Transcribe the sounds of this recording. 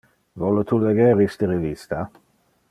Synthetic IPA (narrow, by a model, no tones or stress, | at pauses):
vɔlot̪ʰuleɡeːɾist̪əɾevist̪a